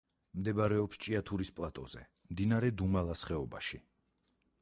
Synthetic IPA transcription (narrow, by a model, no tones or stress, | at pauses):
md̪ɛbaɾɛɔpst͡ʃʼiat̪ʰuɾispʼlˠat̪ʼɔz̥ɛ̰ | md̪inaɾɛd̪umalˠasχɛɔbaʃi